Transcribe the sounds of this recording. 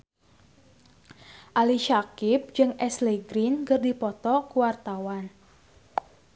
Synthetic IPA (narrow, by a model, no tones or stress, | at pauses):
ʔaliʃakip̚d͡ʒɨŋɛsleɡɾinkərdipɔt̪ɔkuwart̪awan